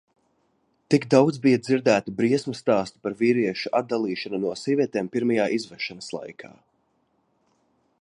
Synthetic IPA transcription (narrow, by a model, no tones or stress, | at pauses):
t̪iɡd̪awd̪zbijad̪ziɾd̪æːt̪ibɾiɛsmast̪aːst̪u̥paɾviːɾiɛʃuʔad̪̚d̪alˠiːʃanunuɔsiɛviɛt̪eːmpiɾmajaːʔizvɛʃanɐslˠa̰jkʰa̰ː